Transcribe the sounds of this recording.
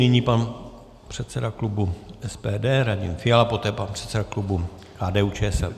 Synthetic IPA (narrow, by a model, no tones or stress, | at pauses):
nɪɲiːpan | pr̥ɛt̪sɛdaklubuɛspɛːdɛːɾaɟɪ̰nfɪjalapo̞t̪ɛːpanpr̝̥ɛt̪sɛdaklubu | kaːdɛːuːt͡ʃɛːɛsɛl